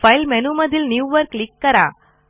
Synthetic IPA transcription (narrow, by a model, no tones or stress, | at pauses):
fɐɪlmɛnumɐd̪ɪlnjiuːʋɐɾklɪkːɐɾa̰ː